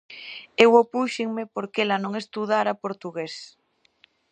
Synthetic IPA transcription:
ewopuʃɪŋmepoɾkelɐnõŋest̪uðaɾɐpoɾt̪uɣes

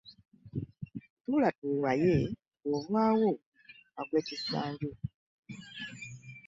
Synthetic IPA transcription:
tuːlatuwaje | ovwaːwo | akweːcisaːɲɟo

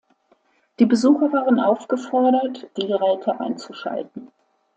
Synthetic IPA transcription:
d̥iːbəzuːxɐvaːʁənʔaʊfɡ̥əfɔɐɾɐtd̥iːɡəʁɛːtʰəʔa̰ɪnt͡suʃa̰ltn̩

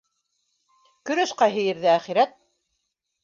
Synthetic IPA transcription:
kɵ̆ɾɵ̆ʃqɑɦɘ̆jɘ̆ɾðɘæχiɾæt̪̚

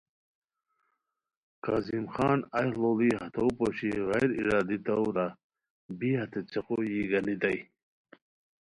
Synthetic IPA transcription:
ka̰zimxɑːnajhloliɦɐt̪ʰowpoɕiɣajɾiɾaːd̪it̪ɐwɾa | biːhɐt̪et͡sʰeqojiɡɐnit̪aj

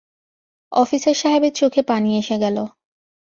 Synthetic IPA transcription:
ɔfiseɾʃaɦebeɾt͡ɕokʰepanieʃeɡɛlo

